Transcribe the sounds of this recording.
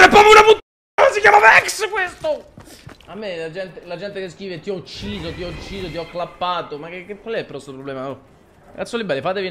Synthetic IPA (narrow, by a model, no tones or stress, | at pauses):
ɾɛpːɾɔːpjounaput̪ | asikjaːmavɛkskwest̪o | amːelad͡ʒɛnt̪elad͡ʒɛnt̪ekeskɾiːvet̪iɔut͡ʃːiːzot̪̬iɔut͡ʃːiːzot̪̬iɔkːlapːaːt̪omakekːekwalɛilpɾɔst̪opɾoblɛːmaɔ | ɡat̪sːolibɛlːefaːt̪evi